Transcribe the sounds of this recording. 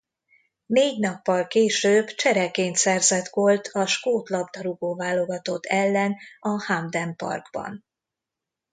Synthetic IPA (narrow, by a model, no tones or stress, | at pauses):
neːɟnɒpːɒlkeːʃøːbt͡ʃɛɾɛkeːnt̪sɛrzɛt̪ɡo̞lt̪ʰɒʃkoːt̪lɒbd̪ɒɾuɡoːvaːlo̞ɡɒt̪o̞t̪ʰːɛlːɛnɒhamd̪ɛmpɒ̰rɡbɒ̰n